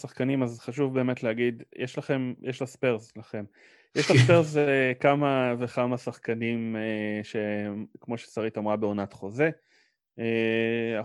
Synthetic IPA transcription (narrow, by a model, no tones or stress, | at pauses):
saχkanimazχaʃuvbe̞ːmetlehaɡid̪jɛʃlaχe̞mjeʃlaspeʁzlaχe̞m | jɛʃlaspeʁzekamavekamasaχkanimeʃe̞kmo̞ʃesaʁitamʁabeonat̪χo̞ze̞ | ea